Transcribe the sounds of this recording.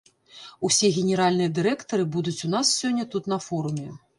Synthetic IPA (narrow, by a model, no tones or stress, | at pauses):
usʲɛɣʲɛnʲɛɾalʲnɨjɐd̪ɨɾɛkt̪ɐɾɨbud̪ut͡sʲunassʲɔnʲːɐt̪ut̪nɐfɔɾumʲɛ